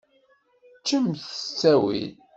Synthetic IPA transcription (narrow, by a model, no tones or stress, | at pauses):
t͡ʃːəmθə̥t͡sːæwḭð